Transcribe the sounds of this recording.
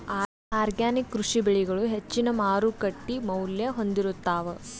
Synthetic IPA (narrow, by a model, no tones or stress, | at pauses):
aː | aːɾɡjaːnikːɾuʂibeɭiɡɐɭuɦet͡ʃːinɐmaːɾukɐʈːimɐwljɐɦo̞nd̪iɾut̪ːaːʋɐ